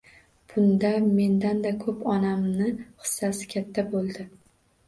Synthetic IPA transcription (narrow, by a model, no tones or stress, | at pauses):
b̥ʊnd̪ame̞nd̪and̪akʰɵpɒnamnɪχɨ̥sːasɪ̥kʲʰat̪ʰːabolˠd̪ɪ